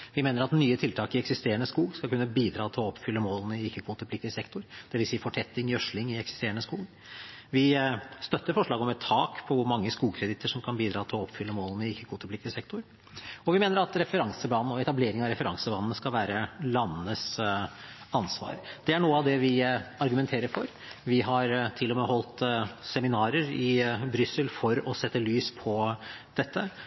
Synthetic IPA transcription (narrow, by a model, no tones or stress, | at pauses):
ʋɪmeːnəɾɑt̪nyːət̪ʰɪlt̪ʰɑːkɪɛksɪst̪eːəɳəskuːɡskɑlkʉnːəbiːd̪ɾɑːt̪ʰɪlɔɔpːfʏlːəmoːlənəɪɪkːəkʰʋuːt̪əplɪk̚t̪ɪsɛkt̪ʊɾd̪̥ɛʋɪlsiːəfɔʈʰɛt̪ːɪŋœʂlɪŋɪɛksɪ̥st̪eːəɳəskuːɡ | ʋɪst̪œt̪ːəɾfɔʂɭɑːɡɔmɛt̪ʰːɑːkpʰɔʋʊɾmɑŋːəskuːkʰɾɛd̪ɪt̪ːəʂɔmkʰɑnbiːd̪ɾɑːt̪ʰɪlɔɔpːfʏlːəmoːlənəɪɪkːəkʰoːt̪əpʰlɪkt̪ɪsɛk̚t̪ʰʊɾ | ɔʋɪmeːnəɾɑt̪ɾɛfəɾɑŋsəblɑːnn̩ɔɛt̪ɑbleːɾɪŋɑɾɛfəɾɑŋsəbɑːnn̩əskɑlʋæːɾəlɑnːənəs | ɑnsʋɑ̰ːɾd̪̥ɛæɳuːəɑʋd̪ɛʋɪɑɾɡʉmɛnt̪ʰeːɾəɾfɔɾ | ʋɪɦɑɾt̪ʰɪlːɔmɛɦɔlt̪sɛmɪnɑːɾəɾɪbɾʏsəlfɔɾɔsɛt̪ːəlyːspʰɔd̪̥ɛt̪ʰːə